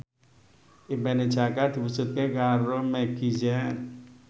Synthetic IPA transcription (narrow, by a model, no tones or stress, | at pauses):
ʔibɛned̥d͡ʒakad̪̥i̤pusut̪̚kekaɾomɛɡ̥id͡ʒɛn